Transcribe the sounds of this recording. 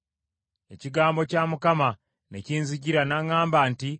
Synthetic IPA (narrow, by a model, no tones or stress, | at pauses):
e̞ciɡaːmbo̞camukama | neciːnziciɾanaŋaːmbaːnti